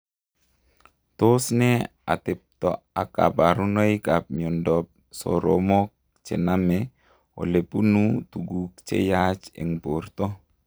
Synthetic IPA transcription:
t̪osnɛ | a̰t̪ɛp̚t̪ɔ̰ʔaka̰paɾunɔjkap̚miɔndɔp̚ | sɔ̰ɾɔ̰mɔk̚ | t͡ʃɛ̰namɛ | o̰lɛpunut̪uɡuk̚t͡ʃḛjat͡ʃɛ̰ŋbɔrt̪ɔ

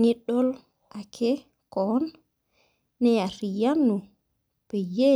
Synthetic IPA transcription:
niɗɔl | ʔakʰɛ | kɔnː | ɛaɾijanːu | b̥ɛjɛ

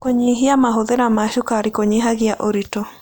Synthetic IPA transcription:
koɲiɦiamaɦoðɛɾamaʃukaɾikoɲiɦaɣiaʔoɾitɔ

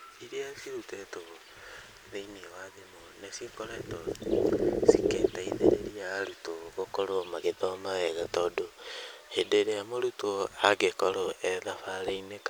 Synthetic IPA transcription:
iɾiasiɾutɛtoo | ðeiniewaðemonesekoɾato | siketaiðeɾeɾiaɾutoɣokoɾomaɣetɔmawɛɣatɔdohedeɾeamoɾutoaɡekɔɾoɛðafaɾeineka

